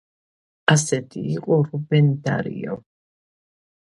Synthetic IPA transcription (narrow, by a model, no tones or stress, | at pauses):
asɛt̪ʰḭːqʼɔɾubɛnd̪a̰ɾḭɔ̰